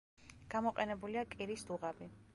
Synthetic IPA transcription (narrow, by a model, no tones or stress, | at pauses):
ɡ̥amɔqʼɛnɛbuliakʼiɾisd̪uʁabi